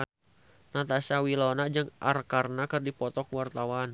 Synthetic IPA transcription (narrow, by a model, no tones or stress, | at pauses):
nat̪asawilɔnad͡ʒɨŋʔa̰rkarnakɨrdipɔt̪ɔkwart̪awan